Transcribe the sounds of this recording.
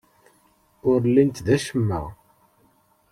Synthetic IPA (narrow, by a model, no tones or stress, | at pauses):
ʊɾlint̪ðæʃəmːə̰